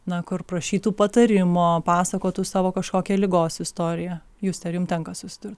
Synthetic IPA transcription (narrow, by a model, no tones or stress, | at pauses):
nɐkʊrpɾɐʃʲiːt̪uːpɐt̪ɐɾʲɪmoːpɑːsɐkoːt̪uːsɑːʋoːkɐʃkoːkʲɛlʲɪɡoːsɪst̪oːɾʲɪjɛ | juːst̪ʲɛɾjʊmt̪ʲɛŋkɐsʊsʲɪd̪ʊrʲt̪ʲ